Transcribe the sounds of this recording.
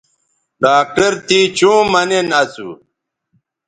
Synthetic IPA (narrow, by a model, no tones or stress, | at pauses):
ɖaːk̚ʈɐɾt̪iːt͡ɕũːmɐnenɐsṵ